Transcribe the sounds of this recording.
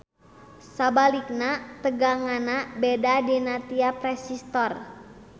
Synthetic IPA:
sabalik̚nat̪əɡaŋanabedadinat̪iapɾɛsist̪ɔr

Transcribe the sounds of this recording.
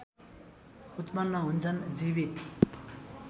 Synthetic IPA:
ut̪manːaɦunt͡sʰʌnd͡zibit̪

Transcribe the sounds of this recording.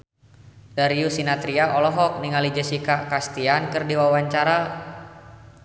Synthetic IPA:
daɾiusinat̪ɾiaʔɔlɔɦɔk̚niŋalid͡ʒasikakast̪iankɨrdiwawaɲt͡ʃaɾa

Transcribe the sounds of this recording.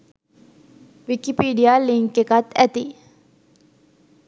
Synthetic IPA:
ʋikipiːɖijaːliŋkekat̪æt̪i

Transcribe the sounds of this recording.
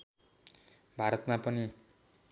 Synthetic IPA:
bʱaɾʌt̪mapʌni

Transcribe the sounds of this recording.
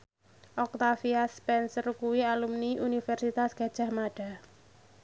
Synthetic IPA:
ʔɔk̚t̪afiaspɛnsərkuwialumniʔunifɛrsit̪asɡ̥ä̤d̥ʒ̥a̤hmaɖ̥a̤

